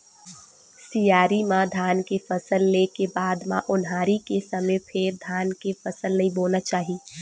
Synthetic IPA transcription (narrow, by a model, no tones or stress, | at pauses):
sijaːɾimãd̪ʱaːnkefʰəsəlːekebaːd̪mã̰ʔʊnɦaːɾikesəmẽpʰeːɾd̪ʱaːnkefəsəlnəĩboːlnat͡ʃaːɦi